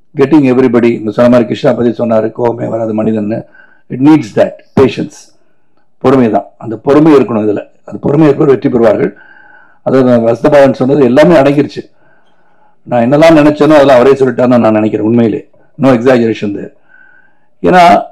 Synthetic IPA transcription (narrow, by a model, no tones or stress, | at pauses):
ɡɛʈːɪ̃ŋɛʋɾibɐɽiɪŋɡɐsɔnːɐmaːɾikːɪʂʈãːpːɐt̪ːisɔnːaːɾɯkoːɣɐmḛːʋɐɾaːðɐmɐnɪðɐnnːɯ | ɪʈniːɖsd̪ɐʈ̚peːʃɛns | pɔɾɯmɐjt̪ã̰ːɐnd̪ɐpɔɾɯmɐɪɾɯkːɐɳʊ̃ɪðɪlɐ | ɐnðɐpɔɾɯmɐjɾɯkːɐɾʋɛʈːɾipɔɾɯʋaːɾɣɐ̰ɭ | ɐðaːðɯʋɐsɐt̪ɐpaːɾɐnːɯsɔnːɐðɯɛlːaːmeːɐɽɐŋɡɪɾɯt͡ʃːɯ | nãːɛnːɐlːãːnɪnɛt͡ʃːɐnʊ̃ɐðɐlãːɐʋɐɾeːsɔlːɪʈːaːɾnãːnãːnɪnɛkːɪɾẽːʊnmɐjɪlḛː | noːɛksaːd͡ʒɐɾeːʂɐnd̪ɛ̰ɾ | ḛːnaː